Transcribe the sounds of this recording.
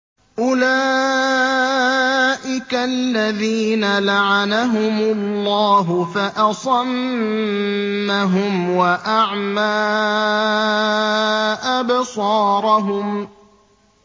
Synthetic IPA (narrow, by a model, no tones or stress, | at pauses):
ʔʊlaː | ʔɪkalːaðiːnalaʕanaɦʊmʊlːɑːɦʊfaʔɑsˤɑm | aɦʊmwaʔaʕmaː | ʔabsˤɑːɾˤɑɦʊm